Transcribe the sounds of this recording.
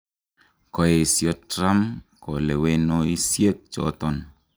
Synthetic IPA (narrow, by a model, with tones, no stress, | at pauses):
kɔ˨e˨sjɔ˦tɾa˦mkɔ˨lɛ˨we˦nɔ˦i˦sje˦k̚t͡ʃɔ̰˨˦tɔ˦˨n